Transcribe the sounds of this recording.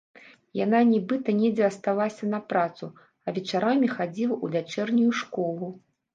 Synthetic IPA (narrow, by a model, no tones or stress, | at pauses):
jananʲɛbɨt̪ɐnʲɛd͡zʲɛɐst̪alˠasʲɐnɐpɾat̪su | ɐvʲɛt͡ʂaɾamʲixad͡zʲilˠɐʔuvʲat͡ʂɛrnʲujuʂkɔlˠu